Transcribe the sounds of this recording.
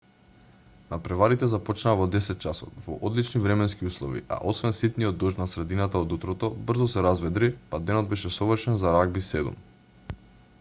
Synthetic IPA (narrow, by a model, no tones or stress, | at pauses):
napɾɛvaɾit̪ɛzapɔt͡ʃnaːvɔd̪ɛsɛt̪̚t͡ʃasɔt̪vɔ̰ʔɔd̪lit͡ʃnivɾɛmɛnskiuslˠɔvḭʔa̰ʔosvɛnsit̪niɔd̪ːɔʒt̪nasɾɛd̪inat̪aod̪ut̪ɾɔt̪ɔbr̩zɔsɛɾazvɛd̪ɾipad̪ɛnɔd̪̚bɛʃɛsɔvrʃɛnzaɾaɡbisɛd̪ṵm